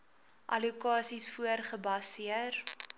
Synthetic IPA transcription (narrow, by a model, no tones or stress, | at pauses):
ʔɐ̰likɑːsisfuərχəbɐsiər